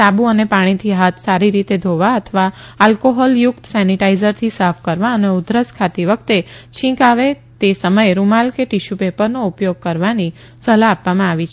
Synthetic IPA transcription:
abuənepaɽ̃it̪ʰiɦat̪ʰsaɾiɾit̪ed̪ʱoʋaət̪ʰʋaalkoɦɔljʊkt̪sɛniʈaizəɾt̪ʰisafʰkəɾʋaəneud̪ʱɾəskʰat̪iʋək̚ʰt̪et͡ʃʰĩkaʋe | t̪esəməjeɾumalkeʈiʃupepəɾnoupjoɡ̚kəɾʋani | səlaːpʋamãaʋit͡ʃʰ

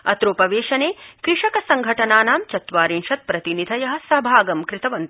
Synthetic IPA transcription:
ɐ̰t̪ɾoːpɐʋeːʃɐneːkɾɪʂɐkɐsɐŋɡʱɐʈɐnaːnaːmt͡ʃɐt̪ʋaːɾinʃɐt̪̚pɾɐt̪inid̪ʱɐjɐɦɐ̆sɐɦbʱaːɡɐmkɾɪt̪ɐʋɐnt̪

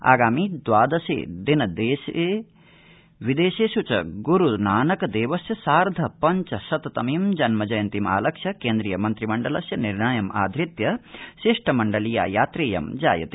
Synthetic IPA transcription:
a̰ːɡaːmiːd̪ʋaːd̪ɐsḛːd̪inɐd̪eːseː | ʋid̪eːʃeːʃut͡ʃɐɡuɾunaːnɐkɐd̪eːʋɐsjɐsaːɾd̪ʱɐpɐɲt͡ʃɐsɐt̪ɐt̪ɐmiːmd͡ʒɐnmɐd͡ʒɐjɐnt̪ima̰ːlɐkʂjɐkeːnd̪ɾijɐmɐnt̪ɾimɐɳɖɐlɐsjɐniɾɳajɐma̰ːd̪ʱɾit̪jɐʃiʂʈʰɐmɐɳɖɐlija̰ːjaːt̪ɾeːjɐ̰md͡ʒa̰ːjɐ̰t̪e

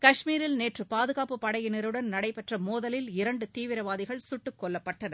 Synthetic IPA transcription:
kɐʂmiːɾɪlneːʈrɯpaːðɯɣaːpɯpːɐɽɐjɪnɐɾɯɽɐnnɐɽɐɪpɛʈrɐmoːðɐlɪlɪɾɐɳɖɯt̪iːʋɪɾɐʋaːðɪɣɐɭsʊʈːɯkːɔlːɐpːɐʈːɐnɐ

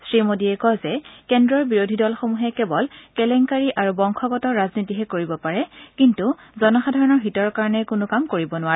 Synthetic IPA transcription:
sɹimodiɛkɔzɛkɛndɹɔɹbiɹodʱidɔlxomuɦɛkɛbɔlkɛlɛŋkaɹiʔaɹubɔŋkʰɔɡɔtɔɹaznitiɦɛkoɹibɔpaɹɛkintu | zɔnɔxadʱaɹɔnɔɹɦitɔɹkaɹɔnɛkʊnʊkamkoɹibɔnʊaɛ

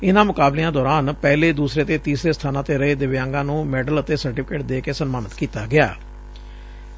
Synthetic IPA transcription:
ɪnãːmʊkaːbleãːd̪ɔːɾaːnpɛːleːd̪uːsɾeːt̪eːt̪iːsɾeːst̪ʰaːnãːt̪eːɾəeːd̪ɪʋjãːŋɡãːnũːmɛːɖələt̪eːsəɾʈɪːpʰkeːʈd̪eːkeːsənmaːnət̪kiːt̪aːɡɪa̰ː

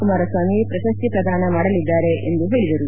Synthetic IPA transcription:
kumaːɾɐsʋaːmiepɾɐʃɐst̪ipɾɐd̪ʱaːnɐmaːɽɐlid̪ːaːɾe̞end̪uɦe̞ːɭid̪ɐɾu

